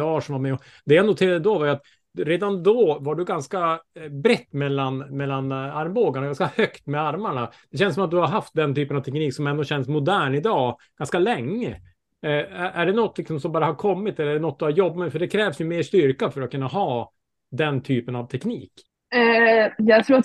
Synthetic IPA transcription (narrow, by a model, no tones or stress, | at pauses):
ɑːʂɔmamɛɔ | d̪ɛjanʊt̪ʰeːɾad̪əd̪ɔvaɾjʉat̪ | ɾeːd̪and̪ɔvaɖɵɡanskabɾɛt̪ːmɛlːanmɛlːanaɾmboːɡaɳaɡanskahœkt̪mɛaɾmaɳad̪̥ɛɕ̬ɛnsɔmat̪̚d̪ɵhaɾɦaft̪̚d̪ɛnt̪ʰyːpənavt̪ʰɛkniːksɔmɛnd̪ɔɕɛnsmʊd̪æːɳɪd̪ɑːɡ̥anskalɛŋːə | æʔæɖɛnɔt̪ːlɪksɔmsɔmbɑːɾahaɾkʰɔmːɪt̪ɛlːɖɛnɔt̪̚d̪ɵhaɾjɔbːamɛfœɖɛkʰɾɛːvsjɵmeːʂt̪ʏɾkafœɾat̪kʰɵnːaɦɑː | d̪ɛnt̪ʰyːpənavt̪ʰɛkniːk | jɑːɡt̪ʰɾuːat̪